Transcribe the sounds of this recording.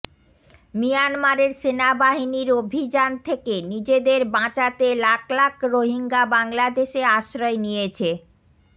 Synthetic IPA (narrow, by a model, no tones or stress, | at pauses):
mijanmaɾeɾʃenabaɦiniɾobʱid͡ʑant̪ʰekenid͡ʑed̪eɾbãt͡ɕat̪elaklakɾoɦiŋɡabaŋlad̪eʃeaʃɾɔenijet͡ɕʰe